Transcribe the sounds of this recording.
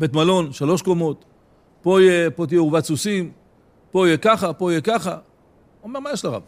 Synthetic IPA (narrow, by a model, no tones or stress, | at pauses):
bet̪malo̞nʃalo̞ʃkomo̞t̪ | pojepot̪̬ijeuvat͡susim | po̞jekaχapoijekaχa | omeʁmajeʃlaʁa̰b